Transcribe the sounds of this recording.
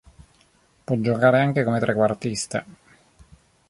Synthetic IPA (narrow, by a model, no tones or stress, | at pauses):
pwɔd͡ʒːokaːɾeaŋk̟ekomet̪ɾekːwart̪ist̪e